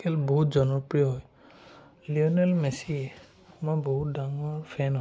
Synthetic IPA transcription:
kɛlboɦut̚zɔnɔpɹijɔɦɔj | liɔnɛlmɛsiɛ | mɔjbɔɦut̚daŋɔɹpʰɛnɦɔ

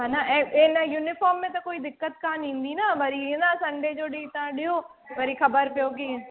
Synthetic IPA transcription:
ɦãːnaːʔeːenəjuːnɪpʰɔːɾmːẽːt̪̬ãːkoːiːd̪ɪkːət̪kaːnĩːnd̪iːnaːbəɾiːnãːsəɳɖeːd͡ʒoːɽiːt̪ãːɖɪoː | ʋəɾiːkʰəbəɾpɪjoːɡi

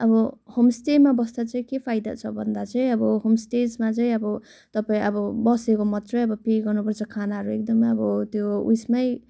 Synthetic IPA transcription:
ʌbʌhomsʈemabʌsd̪at͡sʌĩkepʰajd̪a̰t͡sʰʌbʱʌnd̪at͡sʌj̃ʌbʌɦomsʈed͡zmat͡sʌj̃ʌbʌ | t̪ʌpaĩʌbʌbʌsekomʌt̪rʌjʌbʌpiɡʌrnupʌɾt͡sʰʌkʰanaɦʌɾuek̚d̪ʌmʌbʌt̪joṵsmaj

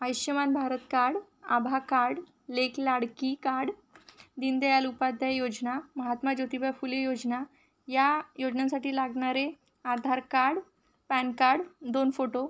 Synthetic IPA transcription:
əjɕjəmanbʱaɾət̪kaɽ | a̰bʱakaɾɽ | leklaɽkikaɾɽd̪ind̪ejalupad̪ʱjajod͡ʑnaməɦat̪mad͡ʑot̪ibafuljəjod͡zna | jajod͡ʑnãsaʈiːlaɡɳaɾe | aɾd̪ʱaɾkaɾɽ | pænkaɾɽd̪onfoʈo

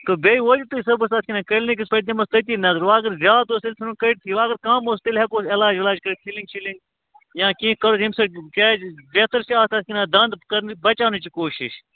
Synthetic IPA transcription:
k̪obeːiʋoːd͡ʒit̪uisɐbust̪aːt̪ʲkʲinãːkɐlnek̬ipɐt̪̬emɐst̪ɐt̪iːnɐzɐɾʋaːɡɐɾzjaːt̪oːst̪ilʲsɐnukɐʈt̪ʰiːʋaːɡɐɾkaːmoːst̪ilɦekoːsɪlaːd͡ʒɪlaːd͡ʒkɐɾkʰiliŋɡ̚t͡ʃʰiliŋɡ | jãːkĩːkɐɾoɦimsɐɾkeːbeːt̪əɾsiaːst̪ɐːsʲkʲinãːd̪ɐnd̪kɐɾnbɐt͡ʃaːnut͡ʃikoːʃɪ̰ʃ

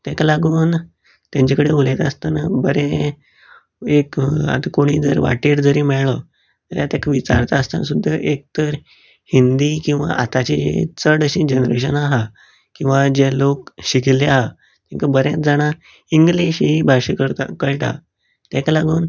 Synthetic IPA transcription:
t̪ɛklaɡuːn | t̪jãɲt͡ɕakəɽeolet̪ast̪anabəɾɛ̃ | eka̰t̪akoɽ̃iːd͡zəɾʋa̰ʈiːɾd͡zəɾiːmɛɭɭə | t̪əɾjat̪jakʰəʋit͡ɕa̰ɾt̪aːst̪a̰ns̬ud̪ʱːəʔek̚t̪əɾ | hind̪ikĩw̃ʋa̰ʔat̪at͡ɕiḛt͡səɽəɕĩd͡ʑənɾḛɕ̬ənaɦa | kĩw̃ʋad͡ʑelok̚ɕikileaɦa | t̪ɛ̃ŋkabəɾjãd͡zaɽ̃a | iŋɡliɕibʱaɕekəɭʈa̰ | t̪ɛklaɡuːn

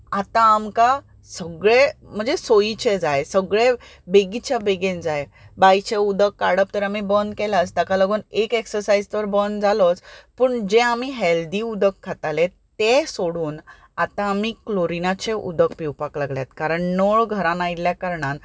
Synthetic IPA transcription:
at̪ãːmka | səɡɭem̤əɳd͡zesoit͡ɕed͡zajsəɡɭebeɡit͡ɕjabeɡẽnd͡zajbajt͡ɕeud̪əkːaɽəp̚t̪əɾamibənd̪kɛlat͡st̪akaləɡuːnekeksəɾsaid͡zt̪əɾbənd̪d͡zalot͡spəːɳd͡ʑẽamiɦeld̪iːud̪əkʰːat̪alet̪esoɽuːn | at̪ãːmikloɾinat͡ɕeʔud̪əkpiwpaklaɡljat̪kaɾəɳnoɭɡʱəɾãnajiljakaɾɳan

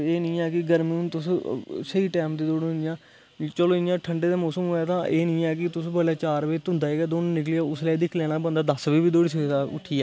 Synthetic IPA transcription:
eːnĩːɛːkɪɡəɾmiːʊnt̪ʊssəiːʈɛːmd̪iːd̪oːɽjãː | t͡ʃəlõːɪnjãːʈʰəɳɖeːd̪aːmɔːsəmɦoːjaːt̪ãːʔeːnĩːɛːk̬ɪt̪ʊsbəɽlaːt͡ʃaːɾʋeːt̪ʊ̃nd̪aːɦeːɡaːd̪oːnũːnɪklijaːʊslaːid̪ɪkʰlɛːɽ̃aːbə̃nd̪aːd̪əsʋiːbiːd̪oːɽiːs̬aʊ̰ʈʰːiːɛː

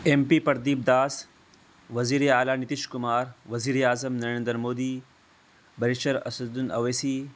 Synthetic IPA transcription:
empipɐɾd̪iːb̚d̪aːs | ʋɐziːɾeaːlaːnit̪iʃkʊmaːɾʋɐziːɾeaːzɐmnɐɾẽːnd̪əɾmoːd̪iː | bɐɾiʃɐɾɐ̰sɐd̪unɐʋesi

